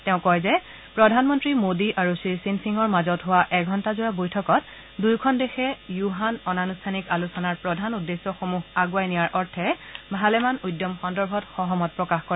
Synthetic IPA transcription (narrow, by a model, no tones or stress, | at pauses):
tɛʊ̃kɔjzɛ | pɹɔdʱanmɔntɹimodiʔaɹusisinsiŋɔɹmazɔtɦʊwaʔɛɡʱɔntazʊjabojtʰɔkɔt | dujkʰɔndexɛjuɦanɔnanustʰanikalusɔnaɹpɹɔdʱanudːesːɔxomuɦaɡwajnijaɹʔɔɹtʰɛbʱalɛmanudːɔmxɔndɔɹbʱɔtxɔɦɔmɔt̚pɹɔkaxkɔɹɛ